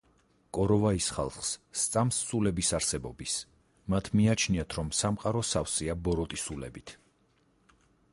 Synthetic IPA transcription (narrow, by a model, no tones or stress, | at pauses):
kʼɔɾɔvaisχa̰lˠχsːt̪sʼamssulɛbisaɾsɛbɔbis | mat̪ʰmiat͡ʃʰniat̪ʰɾɔmsamqʼaɾɔsafsiabɔɾɔt̪ʼisulɛ̰bit̪ʰ